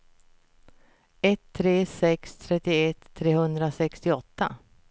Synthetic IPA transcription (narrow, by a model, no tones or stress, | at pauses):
ɛt̪ʰːɾeːsɛkst̪ʰɾɛt̪ːɪɛt̪ʰːɾeːhɵnd̪ɾasɛkst̪ɪɔt̪ːa̰